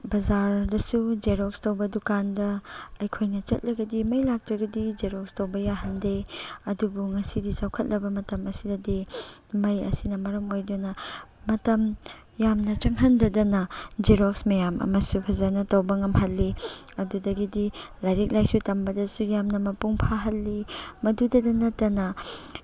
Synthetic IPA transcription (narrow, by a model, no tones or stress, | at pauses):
bɐzaɾdɐsud͡ʒeɾokstɐwbɐdukandɐːjkʰojnɐt͡ʃɐt̚lɐɡɐdimɐjlak̚tɾɐɡɐdid͡ʒeɾokstɐwbɐjaɦɐndeɐdubuŋɐsidisawkʰɐt̚lɐbɐmɐtɐmɐsidɐdi | mɐjɐ̰sinɐmɐɾɐmojdunɐ | mɐtɐm | jamnɐt͡ʃɐŋɦɐndɐdɐnɐd͡ʒeɾoksmɐjamʔɐ̰mɐsupʰɐzanɐtɐwbɐŋɐmhɐlːi | ɐdudɐɡidilaɾik̚lajsutɐmbɐdɐsujamnɐmɐpuŋpʰaɦɐlːimɐdudɐdɐnɐtːɐnɐ